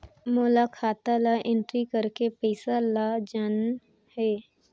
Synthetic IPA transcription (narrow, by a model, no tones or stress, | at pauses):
moːlakʰaːt̪alaʔɪ̃ɳʈɾikəɾkepɛɪsalad͡ʒən | hɛː